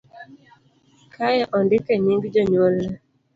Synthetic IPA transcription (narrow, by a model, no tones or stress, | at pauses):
kʰajɛʔɔndɪkɛɲiŋɡd͡ʒɔɲolːɛ